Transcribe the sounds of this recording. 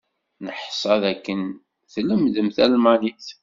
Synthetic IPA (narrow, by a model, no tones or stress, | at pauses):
nəħsˤɑðækːən | θləmðəmθælmæniθ